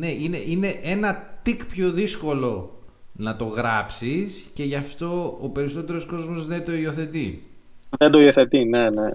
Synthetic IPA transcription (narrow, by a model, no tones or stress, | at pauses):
ne̞ine̞ʔine̞ʔe̞nɐt̪ikpço̞ðisko̞lo̞ | nɐt̪o̞ɣɾɐpsisce̞ʝɐft̪o̞ope̞ɾiso̞t̪e̞ɾo̞sko̞zmo̞zðet̪o̞io̞θe̞t̪i | ðend̪oio̞θe̞t̪inene